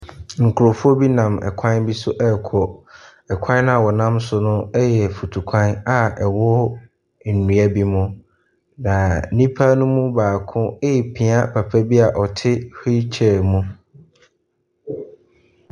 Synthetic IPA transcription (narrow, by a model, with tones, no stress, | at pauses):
ŋ̩˨kʰʊ˨ɾo˨fu˦ɔ˦bi˦nã˨mɛ̰˨kʷʰã˦nbi˦sʊ˦ʔɛ˦˨kʰɔ˨ | ɛ˨kʷʰã˦nʊ̃˦a˨wɔ˨nã˦msʊ˨nʊ̃˦ɛ˦jɛ˨fu˨tʰu˨kʷʰã˦na˨ɛ˨wɔ˦ | n̩˨nũ˨a˦bi˦mʊ̃˦ | nã˨nĩ˦pʰa˦nʊ̃˦mũ˦baː˨kʰʊ̃˦˨pʰĩ˨a˦pʰa˨pʰæ˦bi˦a˨ʔɔ˨tʰɪ˦hi˦t͡ɕʰɛ˨mũ˦